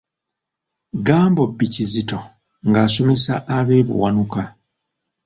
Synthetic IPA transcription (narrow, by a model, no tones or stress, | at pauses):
ɡaːmbo̞bːicizito̞ | ŋɡaːso̞me̞saʔːβe̞ːβṵwanuka